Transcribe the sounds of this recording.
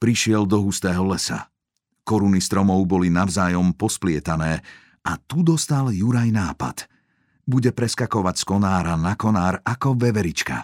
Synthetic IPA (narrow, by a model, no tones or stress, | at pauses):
pɾiʃɪɛld̪ɔɦust̪ɛːɦɔlɛsa̰ | kɔɾunist̪ɾɔmɔʊbɔlinaʊzaːjɔmpɔsplɪɛt̪anɛː | at̪ud̪ɔst̪aljuɾajnaːpa̰t̪ | buɟɛpɾɛskakɔʋacskɔnaːɾanakɔnaːɾakɔʋɛʋɛɾit͡ʃka̰